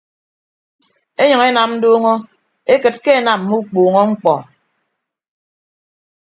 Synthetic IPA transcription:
e˦ɲɔ˨ŋe˦na˨mn̩˦doː˦ŋɔ˦ | e˦kɨ˨t̚ke˦e˦˨na˨mː˨u˦k͡puː˨ŋɔ˦ŋ͡m̩˦k͡pɔ˨

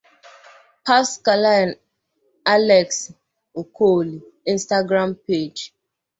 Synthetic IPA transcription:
pa˦ska˨la˦˨n | a˦lɛ˨ks | o˨kʰo˦˨li˨ | i˦n˦sta˦ɡɾa˦mpe˦˨d͡ʒ

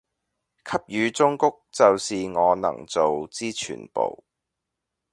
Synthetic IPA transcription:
kʰɐ˥p̚jyː˨˧t͡sʊ˥ŋkʊ˥k̚t͡sɐ˨wsiː˨ŋɔː˨˧nɐ̰˨˩ŋt͡so˨wt͡siː˥t͡ʃʰy̰ː˨˩npo̰˨˩w

